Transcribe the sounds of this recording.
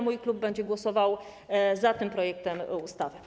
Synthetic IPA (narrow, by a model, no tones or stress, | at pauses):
mujklub̚ːɛɲd͡ʑɛɡwɔsɔvaw | zat̪ɘmpɾɔjɛk̚t̪ɛmust̪avɘ